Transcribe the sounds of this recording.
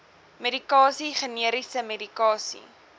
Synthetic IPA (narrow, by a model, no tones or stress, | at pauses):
medikɑːsiχəniəɾisəmedikɑːsḭ